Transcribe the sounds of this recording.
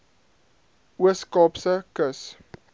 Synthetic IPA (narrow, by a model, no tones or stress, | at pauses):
uəskɑːpsəkəs